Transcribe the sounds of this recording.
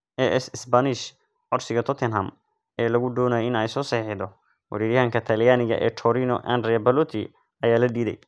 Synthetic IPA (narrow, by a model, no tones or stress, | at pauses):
ʔɛʔɛsɪsbɐnɪʃ | ʕɔrsɪɣɐt̪ʰɔt̪ʰɛnɦɐm | ɛːlɐɣʊɖ̪ɔːnɐːjɛɪnɛjsɔːsɛːħɪðɔ | wɐɾiːɾjɐaːŋkʰɐt̪ʰɐljaːnɪɣɐ̰ʔɛ̰ːt̪ʰɔɾiːnɔʔa̰nd̪ɾɛjɐbɐlɔt̪ʰi | ɐjaːlɐd̪iːðɛ̰j